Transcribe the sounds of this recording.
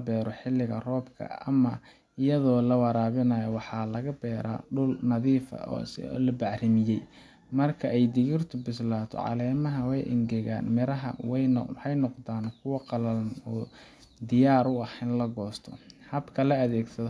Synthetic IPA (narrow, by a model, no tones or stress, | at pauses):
bɛːɾɔħɪlːɪɣɐrɔːbkʰɐ̰ɐ̰mɐ | ɪjɐðɔːlɐwɑɾaːβɪnɐjɔwɑħɑːlɐɣɐbɛːɾa̰ɖʊlnɐðiːfɐ̰lɐbɑʕrɪmɪjɛj | mɐrkʰɐɛjd̪ɪɣɪrt̪ʰʊbɪslaːt̪ʰɔ̰ʕɑ̰lɛːmɐɦɐwɛjʔɪ̰ŋɡɛɣa̰ːnmɪɾɐɦɐ̰wɛjħɑjnɔqd̪aːnkʰʊwɑqɑlɐlɔː | d̪ɪjaːɾʊɐhɛnlɐɡɔːst̪ʰɔ̰hɐbkʰɐlɐɐðɛːɡsɐðɔ